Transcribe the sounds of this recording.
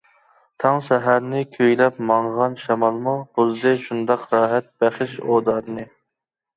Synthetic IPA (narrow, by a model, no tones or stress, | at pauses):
t̪ʰɑŋsɛɦæɾnɪkʲʰøjlɛpmɑɴʁɑnʃɑmɑlˠmub̥uzd̪ɨʃund̪ɑqɾɑːɦɛt̪̚bæχɪʃod̪ɑːɾnɨ